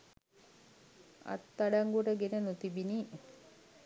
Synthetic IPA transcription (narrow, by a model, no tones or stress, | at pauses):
a̰t̪ːaɖaŋɡuʈəɡenənut̪ibini